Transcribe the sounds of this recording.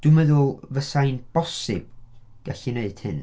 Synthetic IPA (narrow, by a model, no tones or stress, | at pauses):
d̥ɨmɛðʊlˠvəsajnb̥ɔsɪb̥̚ | ɡ̥aɬineɨd̥hɨ̰n